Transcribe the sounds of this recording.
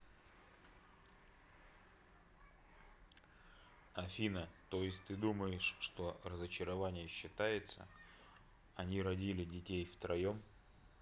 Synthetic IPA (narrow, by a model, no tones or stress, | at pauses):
ɐfʲinət̪o̞jɪsʲtʲt̪ɨd̪uməjɪʂʂt̪o̞rəzət͡ɕɪɾɐvanʲɪjəɕːɪt̪ajɪt̪sə̰ | ɐnʲiɾɐdʲilʲɪdʲɪtʲejft̪ɾɐjom